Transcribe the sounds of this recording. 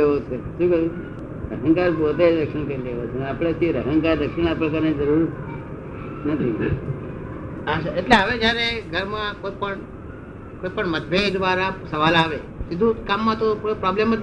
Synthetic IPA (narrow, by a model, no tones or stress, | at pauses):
ɦot͡ʃʰeʃũːkəũ | ɾəɦəŋkaɾbot̪ed͡ʒɾəkʂəɳkəɾileʋat͡ʃʰenapɽet̪ʰiɾəɦəŋkaɾd̪əkʂiɳ̃apəɽ̃k̬əɾnid͡ʒəɾuɾ | nət̪ʰi | aʃaeʈleɦəʋed͡ʒjaɾeɡʱəɾmãkopəɳ | koːjpəɳməd̪ʋed̪ʋaɾasəʋalaʋe | sɪd̪ʱũkamːãt̪oppɾɔblemːə